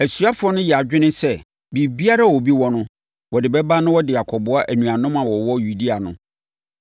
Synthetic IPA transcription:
æ˨sɥa˦fʊ˦ɔ˦nʊ̃˦jɛ˨a˨d͡ʑᶣɪ˦nɪ̃˦sɛ˦ | bi˨bi˦a˦ɾa˦˨wɔ˨bi˦wɔ˦nʊ̃˦ | wɔ˨dɪ˨bɛ˦ba˦nʊ̃˦wɔ˦dɪ˨ja˨kʰɔ˨bʊ˦a˦ʔæ˨nũ˨a˨nʊ̃˦mã˨wɔ˨wɔ˦ju˨di˦a˨nʊ̰̃˨

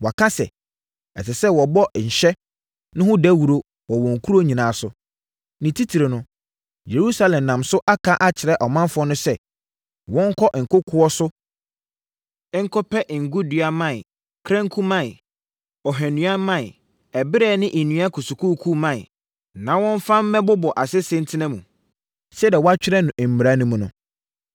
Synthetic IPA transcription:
wɔ˨a˨kʰã˦sɛ̰˨ | ɛ̰˨sɪ˨sɛ˦wɔ˨bɔ˦˨ɲ̩˨ɕɛ˦ | nʊ̃˦hʊ̃˦dɛ˦wu˨ɾo˦ | wɔ˨wɔ̃˨ŋ˨kʰu˦ɾo˦ɲĩ˨nã˨˦˨sʊ˨ | nɪ̃˨tʰi˦tʰi˨ɾe˨nʊ̃˦ | je˨ɾu˦sa˦lɛ̃˨m˨nã˨msʊ˦ʔa˦kʰa˦ʔa˦t͡ɕʰɪ˨ɾɛ˦ʔɔ˨mã˦nfʊ˨˦ɔ˦nʊ̃˦sɛ˦ | wɔ̃˦ŋ˦kʰɔ˦ʔŋ̩˨kʊ˦kʰʊ˦ɔ˦sʊ˦ | ŋ̩˦kʰʊ˦pʰɛ˦ʔŋ̩˨ɡu˦dɥa˦mã˦˨ɪ˨ | kʰɾɛ̃˦ŋ˦kʰu˦mã˦ɪ˨ | ɔ˨ɦɛ̃˨nũ˨˦a˦mã˦˨ɪ˨ | ɛ˨bɪ˦ɾɛ˨nɪ̃˦ʔ̩˨nũ˨˦a˦kʰʊ˨su˨kʰu˦˨kʰu˦mã̰˦˨ | nã˨wɔ̃˦ɱ˦fã˦m̩˦mɛ̃˦bʊ˦bɔ˨ʔa˨sɪ˦sɛ̃˦n˦tʰɪ˦nɛ̃˦mṵ̃˨ | sɛ˦dɛ˨wɔ˦a˦t͡ɕᶣɪ˦ɾɛ˦nʊ̃˨ʔɛ˨m̩˨mi˨ɾa˦nũ˦mũ˦nʊ̰̃˦

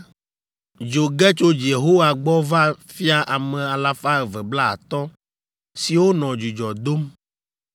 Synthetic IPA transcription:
d͡ʒo˨ɡɛ˦t͡ʃo˦d͡ʒe˨ɦo˦wa˨ɡ͡bɔ˦va˦fi˦a˦ʔa˨mɛ̃˨a˨la˦fa˦ɛ˨vɛ˨bla̰˦˨t̪ɔ˦ | si˨wo˦nɔ̃˨d͡ʒu˨d͡ʒɔ˨d̪o˦m

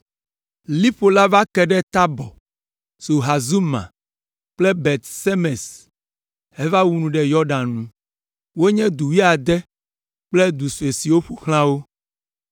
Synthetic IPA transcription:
li˦ɸo˨la˦va˦kɛ˨ɖɛ˦t̪a˦bɔ˨ | so˨ɦa˨zu˦mã̰˨ | k͡plɛ˦bɛ˨t̪se˦mɛ̃˨s | hɛ˦va˦wu˦nũ˨ɖɛ˨jɔ˦ɖã˨nũ˦ | wo˦ɲɛ̃˦d̪u˨wi˦a˨d̪ɛ˦ | k͡plɛ˦d̪u˨su˨e˨si˨wo˦ɸu˦xl̃ã˦wo˦

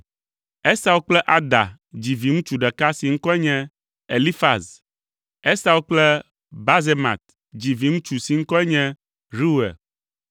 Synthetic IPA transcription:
ɛ˦sa˦wo˦k͡plɛ˦ʔa˨d̪a̰˨ | d͡ʑi˨vi˨˦ŋũ˦t͡ʃu˨ɖɛ˨ka˦si˨ŋ̩˦kɔ˦ɛ˦ɲɛ̃˦ | e˨li˦fa˨s | ɛ˦sa˦wo˦k͡plɛ˦ | ba˦ze˦mã̰˨t̪̚ | d͡ʑi˨vi˨˦ŋũ˦t͡ʃu˨si˨ŋ̩˦kɔ˦ɛ˦ɲɛ̃˦ | ɾi˦ɛ̰˨

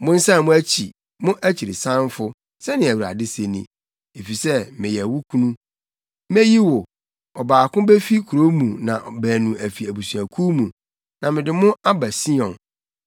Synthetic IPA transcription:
mʊ̃˦n̩˦sa˦˨mʊ̃˦æ˦t͡ɕʰi˨ | mʊ̃˦ʔæ˦t͡ɕʰi˨ɾɪ˨sã˦n˦fʊ˦ | sɛ˦nɪ̃˨æ˨wu˨ɾa̰˨dɪ˦se˦nḭ̃˨ | e˨fi˨sɛ˦mɪ̃˨jɛ˨wʊ˦kʰũ˦nũ˦ | me˦ji˦wʊ˨ | ɔ˨baː˨kʊ̃˦be˦fi˦kʰu˨ɾo˦mũ˨nã̰˨bæː˨nũ˨æ˨fi˨æ˨bu˨su˨æ˨kʰu˦mũ˨ | nã˨mɪ̃˨dɪ˨mʊ̃˦a˦ba˨si˦ɔ̃˨n

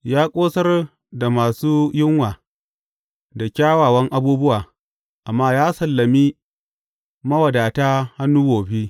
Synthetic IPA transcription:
jaː˦kʷʼoː˦sɐ˦r | da˨maː˨suː˦jɪ˦ŋwaː˨ | da˨kʲaː˦waː˨wɐ˦ŋʔa˦buː˦bʊ˦waː˨ | ʔa˨mːaː˦jaː˦sɐ˨lːɐ˨mi˦ | mɐ˦wɐ˨daː˨taː˦ha˦nːuː˦ɡoː˨ɸi˦

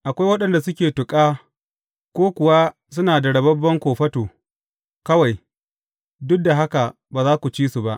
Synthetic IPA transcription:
ʔa˨kʷa˦jwɐ˦ɗɐ˨nda˨sʊ˦kʲeː˨tʊ˨kʼaː˦ | kʷoː˦kʷʊ˨wa˦ | sʊ˦naː˨da˨ɽɐ˨bɐ˦bːɐ˦ŋkʷoː˨ɸɐ˦toː˨ | kɐ˦wa˨j | dʊ˦k̚da˨ɦa˦ka˨ | baː˨zaː˦kʷu˨t͡ʃiː˦su˨ba˦ʔ

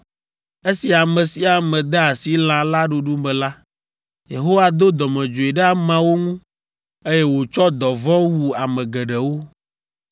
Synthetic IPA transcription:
e˦si˨a˨mɛ̃˨si˦a˨mɛ̃˨d̪ɛ˦a˨si˦l̃ã˨la˦ɖu˨ɖu˦mɛ̃˨la˦ | je˨ɦo˦wa˨d̪o˦d̪ɔ˨mɛ̃˨d͡ʒo˨e˨ɖɛ˦a˦mã˦wo˦ŋũ˦ | e˦jɛ˦wo˨t͡ʃɔ˦d̪ɔ˨vɔ˦wu˦a˨mɛ̃˨ɡɛ˨ɖɛ˨wo˦

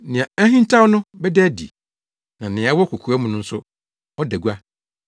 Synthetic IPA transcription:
nɪ̃˨a˨æ˦ɦĩ˦n˦tʰa˦wnʊ̃˦bɛ˦dɛ˦dḭ˨ | nã˨nɪ̃˨a˨˦wɔ˦kʰu˨kʰu˨a˦mũ˦nʊ̃˦n̩˦sʊ˦ | ɔ˦dæ˨ɡu˦a˦

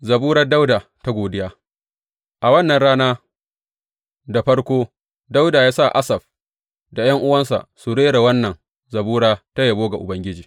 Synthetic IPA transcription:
zɐ˨buː˦ɾɐ˦da˦wdaː˨ta˦ɡʷoː˨dɪ˦jaː˦ | ʔa˨wɐ˦nːɐ˨nɽaː˦naː˦ | da˨ɸɐ˦ɽkʷoː˦ | da˦wdaː˨jaː˦sa˦˨ʔa˦sɐ˨ɸ | da˨jɐ˦ŋʔʊ˦wɐ˦nsa̰˨ʔsu˨ɽeː˦ɽa˨wɐ˦nːɐ˨ŋ | zɐ˨buː˦ɽaː˦ta˦ja˨boː˦ɡa˨ʔʊ˨bɐ˦ŋɡʲɪ˦d͡ʒiː˨

